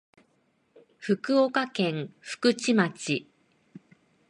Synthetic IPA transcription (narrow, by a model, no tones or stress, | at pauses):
ɸɯ̟kɯ̟okakẽ̞ŋ̃ɸɯ̥kɯ̟t͡ɕimat͡ɕi